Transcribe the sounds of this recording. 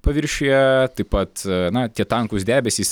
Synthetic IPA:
pɐʋʲɪɾʲʃʲejɛt̪ɐɪpɐt̪nɐt̪ʲiɛt̪ɐŋkʊsd̪ʲæːbʲɛsʲiːs

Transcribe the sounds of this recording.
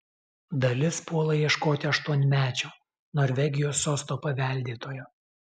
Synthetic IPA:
d̪ɐlʲɪspuɔlˠɐiɛʃkoːt̪ʲɪɐʃt̪uɔnʲmʲæːt͡ʃʲoː | nɔɾʲʋʲɛɡʲɪjoːsːoːst̪oːpɐʋʲæˑlʲd̪ʲiːt̪oːjoː

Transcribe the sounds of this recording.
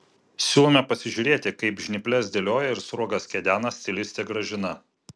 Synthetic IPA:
sʲuːlˠomʲɛpɐsʲɪʒʲʊːɾʲeːt̪ʲɪkɐɪpʒʲnʲɪpʲlʲɛsd̪ʲelʲoːjɛɪɾsɾuɔɡɐskʲɛd̪ʲæːnɐsʲt̪ʲɪlʲɪsʲt̪ʲeːɡɾɐʒʲɪnɐ

